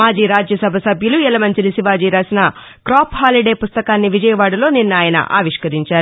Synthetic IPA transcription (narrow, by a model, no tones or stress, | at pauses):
aːd͡ʒiːɾaːd͡ʒjɐsɐbʱɐsɐbʱjuluɛlɐmɐɲt͡ʃilisiʋaːd͡ʒiːɾaːsinɐ | kɾaːpɦaːliɖe̞ːpust̪ɐkaːnːiʋid͡ʒɐjɐʋaːɽɐlo̞ːninːaːjɐnɐ̰ʔa̰ːʋiʂkɐɾiɲt͡ʃaːɾu